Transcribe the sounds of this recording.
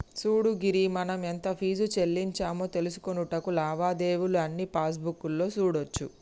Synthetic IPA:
suːɽuɡiɾimɐnɐment̪ɐpʰiːd͡ʒut͡ʃe̞lːiɲt͡ʃaːmoːt̪e̞lusu̥konuʈɐkulaːbaːd̪e̞ːʋuluɐnːipaːs̬bukːulːo̞ːsuːɽot͡ʃːu

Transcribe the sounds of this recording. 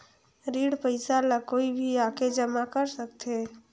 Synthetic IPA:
ɾiɽpəɪsalakoibʱiaked͡ʒəmakəɾsəkt̪ʰe

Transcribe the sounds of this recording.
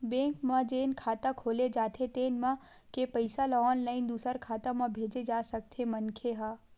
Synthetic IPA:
bẽːŋkmãd͡ʒeːnkʰaːt̪akʰoːled͡ʒaːt̪ʰet̪eːnmãkepɐɪsalɔːnlaːɪnd̪uːsəɾkʰaːt̪ãmãbʱeːd͡ʒed͡ʒaːsɐk̚t̪ʰemɐnkʰeɦaː

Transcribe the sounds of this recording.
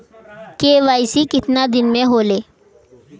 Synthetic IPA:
keːʋaːjsikɪt̪nad̪ɪnmẽɦoːleː

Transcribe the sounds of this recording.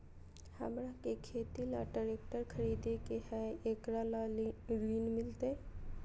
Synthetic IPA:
hə̰mɾakekʰeːt̪ilaʈəɾeːk̚ʈəɾkʰəɾiːd̪ekehɛeːkɾalaɾʋiːnmɪlt̪e

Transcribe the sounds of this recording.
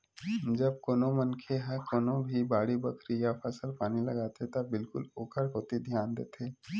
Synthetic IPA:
d͡ʒɐb̚koːnomɐnkʰeɦɛ̃koːnobʱibaːɽibɐkʰɾijapʰəsəlpaːnilɐɡaːt̪et̪ɐbɪlkʊ̰loːkʰəɾɦoːt̪id̪ʱjaːnd̪eːt̪ʰeː

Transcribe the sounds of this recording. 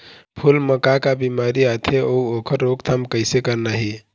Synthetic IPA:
pʰulməkakabimaɾiat̪ʰeouokʰəɾːoɡt̪ʰamkəɪsekəɾnaɦi

